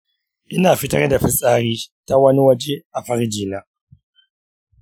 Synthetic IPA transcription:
ʔɪ˦naː˨fi˦tɐ̰˦ɾda˨ɸi˦sʼaː˦ɾiː˦ta˦wɐ˦ni˦wɐ˦d͡ʒi˦a˨ɸa˦ɾi˦d͡ʒiː˨na˦

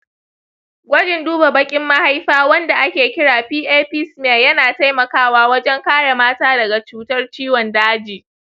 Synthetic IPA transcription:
ɡʷɐ˦d͡ʒɪ˨nduː˦ba˨bɐ˦kʲʼɪ˦mːa˦ha˦jɸaː˦wɐ˦nda˨ʔa˦kʲeː˨kʲɪ˦ɽaː˨ɸiː˦ʔeː˦ɸɪ˦smeː˨jɐ˦naː˨ta˦jmɐ˨kaː˦waː˦wɐ˦d͡ʒɛ˦ŋkaː˦ɽe˨maː˦taː˦dɐ˨ɡa˨t͡ʃuː˦tɐ˦rt͡ʃiː˦wɔ˨ndaː˦d͡ʒiː˨

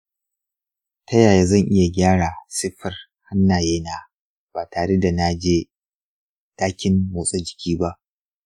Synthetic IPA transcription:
tʰɐ˦jaː˨ja˦zɐ˦˨ŋʔɪ˦ja˨ɡʲaː˦ɽaː˨sɪ˦ɸɐ˨r | ha˦nːaː˨jeː˦naː˨ | b̥aː˨tʰaː˨ɽe˦da˨na˦d͡ʒeː˦ | taː˦kʲɪ˦mmoː˨sʼo˦d͡ʒɪ˨kʲʰiː˦ba˦ʔ

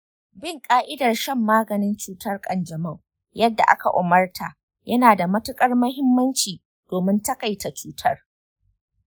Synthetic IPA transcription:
bɪ˦˨ŋkʼaː˦ʔɪ˦dɐ˨rʃɛ˦˨mːaː˦ɡɐ˨nɪ˦nt͡ʃuː˦tɐ˦rkʼɐ˨nd͡ʒɐ˨mɐ˦˨w | jɐ˦dːa̰˨ʔa̰˦ka̰˨ʔʊ˨mɐ˦rtʰaː˨ | jɐ˦naː˨da˨mɐ˦tʊ˦kʼɐ˦rmɐ˦ɦɪ˦mːɐ˦nt͡ʃiː˨ | d̥oː˨mɪ˦ntɐ˦ka˨jta˨t͡ʃuː˦tʰɐ˦r

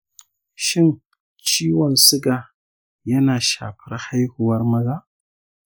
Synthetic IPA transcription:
ʃɪ˦n | t͡ʃiː˦wɔ˨nsʊ˦ɡa˨ | jɐ˦naː˨ʃa̰ː˨ɸɪ˦ɾha˦jhʊ˨wɐ˦rmɐ˦zaː˦ʔ

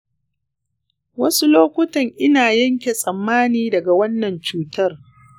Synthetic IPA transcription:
wɐ˦su˦loː˦kʷʊ˦tɐ˨ŋʔɪ˦naː˨jɐ˦ŋkʲe˨sʼɐ˨mːaː˦niː˦dɐ˨ɡa˨wɐ˦nːɐ˨nt͡ʃuː˦tɐ˦r

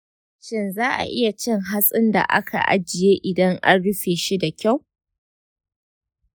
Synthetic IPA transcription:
ʃɪ˦nzaː˦ʔa̰˨ʔɪ˦ja˨t͡ʃɪ˦ŋɦa˦sʼɪ˦nda̰˨ʔa̰˦kʰa̰˨ʔa̰˦d͡ʒɪ˨jeː˦ʔɪ˨dɐ˦ŋʔa˦nɽʊ˦ɸeː˨ʃi˦da˨kʲa˦˨w

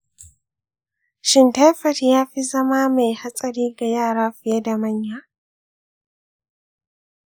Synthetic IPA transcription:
ʃɪ˦nta˦jɸɐ˨tjaː˦ɸi˦zɐ˦ma˦ma˨jha˦sʼɐ˨ɽiː˦ɡa˨jaː˦˨ɽaː˦ɸɪ˨je˦da˨mɐ˦ɲjaː˨

